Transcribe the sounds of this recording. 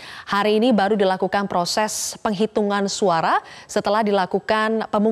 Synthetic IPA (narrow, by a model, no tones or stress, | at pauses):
haɾiːnibaɾudilakukanpɾosɛspəŋɦit̪uŋansuaɾasət̪əlahdilakukanpəmu